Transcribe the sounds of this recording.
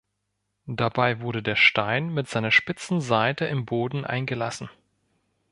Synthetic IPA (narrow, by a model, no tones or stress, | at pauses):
d̥abaɪvʊɐɾədeːɐʃtaɪnmɪtz̥aɪnɐʃpɪt͡sn̩zaɪtəʔɪmboːdn̩ʔa̰ɪnɡəlasn̩